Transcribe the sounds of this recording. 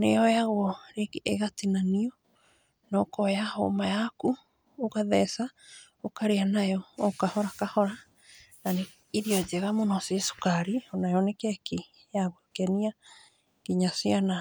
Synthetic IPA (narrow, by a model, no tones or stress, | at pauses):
nejɔjaɣwɔɾekeɣatinaniɔ | nɔkɔjaho̰majaku | okaðɛsa | okaɾeanajɔːkahɔɾakahɔɾa | nane | iɾiɔd͡ʒeɣamonɔsieso̥kaɾionajɔnekɛki | jaɣwokɛnia | kiɲasiana